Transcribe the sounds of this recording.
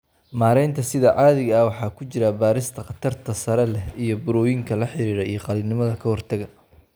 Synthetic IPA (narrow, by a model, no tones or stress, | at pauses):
maːɾɛjnt̪ʰɐsɪðɐʕɑːðɪɣɐɐwɑħɑːkʰʊt͡ʃɪɾɐbaːɾɪst̪ʰɐqɑt̪ʰɐrt̪ʰɐsɐɾɛlɛhijɔbʊɾɔːjɪŋkʰɐlɐħɪɾiːɾɛjijɔqɑliːbnɪmɐðɐkʰɐhɔrt̪ʰɐɣɐ